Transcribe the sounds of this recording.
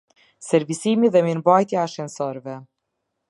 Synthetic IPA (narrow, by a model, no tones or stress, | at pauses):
sɛɾvisimiðɛmiɾbajt̪jaːʃɛnsɔɾvɛ